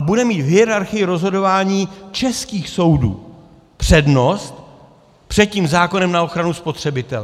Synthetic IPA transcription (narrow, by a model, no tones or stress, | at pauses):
budɛmiːt̪ɦɪɛɾaɾxɪjɪɾo̞zɦo̞do̞vaːɲiːt͡ʃɛskiːxso̞wdṵː | pr̥ɛdno̞st̪ | pr̥ɛt̪̚ciːmzaːko̞nɛmnao̞xɾanuspo̞t̪r̥ɛbɪt̪ɛl